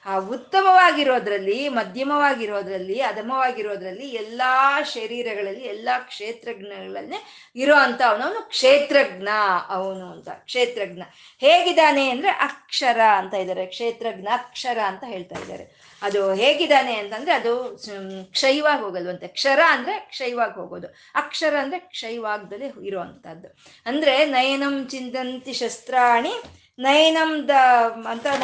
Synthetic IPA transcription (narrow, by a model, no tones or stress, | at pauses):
aːut̪ːɐmɐʋaːɡiɾo̞ːd̪ɐɾɐlːimɐd̪ʱjɐmɐʋaːɡiɾo̞ːd̪ɐɾɐlːiɐd̪ʱɐmɐʋaːɡiɾo̞ːd̪ɐɾɐlːiɛlːaʃɐɾiːɾɐɡɐɭɐlːiɛlːɐkʂeːt̪ɾɐɡnɐɡɐɭɐlneː | iɾoːɐnt̪ɐːɐʋɐnɐʋɐnukʂeːt̪ɾɐɡnɐɐʋɐnuɐnt̪ɐ̰kʂeːt̪ɾɐɡnɐ | heːɡid̪aːne̞ɐnd̪ɐɾeʔɐkʂɐɾɐɐnt̪aːjd̪aːɾekʂeːt̪ɾɐɡnɐːkʂɐɾɐːnt̪ɐɦeːɭt̪a̰ːjḭd̪a̰ːɾḛ | ɐd̪uɦeːɡid̪aːneɐnt̪ɐnd̪ɾeɐd̪u | kʂɐjʋaːɡɦoːɡɐlʋɐnt̪ekʂɐɾaɐnd̪ɐɾe̞kʂɐjʋaːɡɦoːɡo̰ːd̪u | ɐkʂɐɾɐɐnd̪ɐɾekʂɐjʋaːɡd̪ɐlːiiɾoːʋɐnt̪ɐd̪ːu | ɐnd̪ɐɾe̞nɐjɐnɐmt͡ʃind̪ɐnt̪iʃɐst̪ɾaːɳi | nɐjɐnɐmd̪ɐɐnt̪ɐ